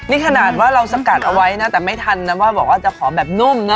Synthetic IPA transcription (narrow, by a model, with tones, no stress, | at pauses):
niː˦˥˩kʰa˧naː˨˩t̪̚waː˥˩ɾa˧wsa˧ka˨˩t̪̚ʔa˧wa˦˥jna˦˥t̪ɛː˨˩ma˥˩jt̪ʰa˧nːa˦˥waː˥˩bɔː˨˩k̚waː˥˩t͡ɕa˨˩kʰɔː˩˦bɛː˨˩p̚nu˥˩mna˦˥